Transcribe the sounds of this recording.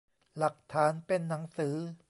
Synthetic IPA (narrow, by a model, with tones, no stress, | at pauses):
la˨˩k̚t̪ʰaː˩˦˥npe˧nːa˩˦ŋsɯː˩˦